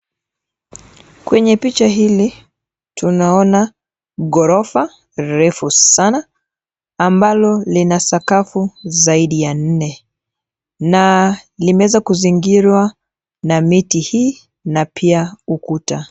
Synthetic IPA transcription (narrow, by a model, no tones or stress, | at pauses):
kwɛɲɛpit͡ʃaɦili | tʰunaɔna | ɠɔɾɔfa | ɾɛfusanaː | mbalɔlinasakafuzaiɗijan̩nɛ | nalimɛwɛzakuziŋɡiɾwa | namitihiː | napʰiaukuta